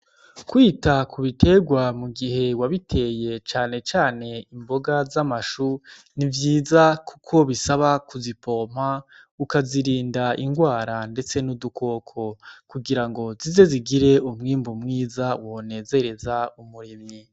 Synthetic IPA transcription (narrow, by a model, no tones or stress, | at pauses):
kwiːtakʰuβite̞ɡwamuɡiɦe̞waβitʰe̞je̞t͡ʃaːne̞t͡ʃaːne̞imbo̞ɡazamaʃu | nivjiːzaku̥kʰo̞βisaβakuzipo̞ːm̥a | ukaziɾiːndaiŋɡwaːɾande̞t͡se̞nuduko̞ːkʰo̞kuɡiɾaŋɡo̞zize̞ziɡiɾe̞umŋiːmbumŋiːzawo̞ne̞ːze̞ɾe̞zaumuɾimɲi